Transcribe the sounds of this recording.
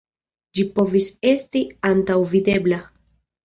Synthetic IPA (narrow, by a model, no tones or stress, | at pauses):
d͡ʒipo̞vise̞stiantawvide̞bla